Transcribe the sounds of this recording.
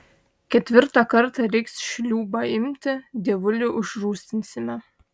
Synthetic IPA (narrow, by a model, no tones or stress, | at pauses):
kʲɛt̪ʲʋʲɪɾt̪ɑkɐɾt̪ɑɾʲɛksʃʲlʲuːbɑɪmʲt̪ʲɪd̪ʲeːʋʊlʲʊʔʊʒruːsʲt̪ʲɪnʲsʲɪmʲɛ